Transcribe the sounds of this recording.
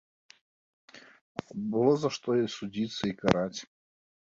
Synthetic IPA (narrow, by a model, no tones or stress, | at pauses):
bɨlˠozɐʂt̪oisʊdʲit̪səikɐɾatʲ